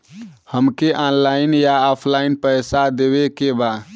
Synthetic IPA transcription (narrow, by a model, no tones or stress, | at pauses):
həmkeʔanlainjaɔpʰlainpəɪsad̪ebekeba